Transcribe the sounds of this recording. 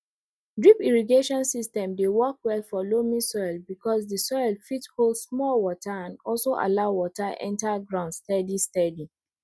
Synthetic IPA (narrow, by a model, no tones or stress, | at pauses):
dɹipiɹiɡeʃɔ̃nsistɛ̃mdewɔkwɛlfɔlomisɔɪlbikɔs̬dəsɔɪlfitholdsmɔlwɔtʰaãnɔlsoʔa̰laʊwɔtaʔɛ̰̃ntaɡɹãʊ̃ndstɛdistɛdi